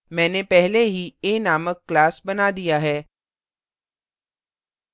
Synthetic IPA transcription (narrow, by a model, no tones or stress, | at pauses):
mɛ̃ːnepɛɦleɦieːnaːməkːlaːsbɐnaːd̪ijaɦɛː